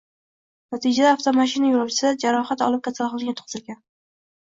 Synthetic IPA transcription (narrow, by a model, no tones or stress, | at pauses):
nat̪ʰid͡ʒad̪aːft̪ʰomaʃɪnajʊɾɒwt͡ʃʰɪ̥sɪd̪ad͡ʒaɾɒχat̪ɒ̰lˠɪp̚kʲʰasalˠqɑlˠɡʲat̪ʰʊ̥qʰɨz̥ɪlɡʲan